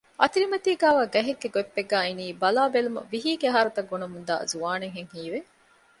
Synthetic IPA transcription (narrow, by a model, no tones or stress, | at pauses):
ʔɐt̪iɾimɐt̪iːɡæːʋaːɡɐɦeɡːeɡoepːeɡːæːiniːbɐlaːbelumɐ̰ʋiɦiːɡeɦaːɾut̪ɐɡːonɐmund̪a̰ːzuaːneŋɦeŋhiːʋe